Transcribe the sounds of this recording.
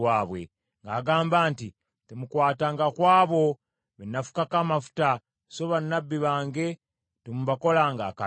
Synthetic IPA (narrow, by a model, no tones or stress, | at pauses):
waːβwḛ | ŋɡaːɡaːmbaːnti | temukwaːtaːŋɡakwaːβo̞ | βenːafu̥kakamafu̥ta | soβanːabːiβaːŋɡe̞ | temuβako̞laːŋɡaka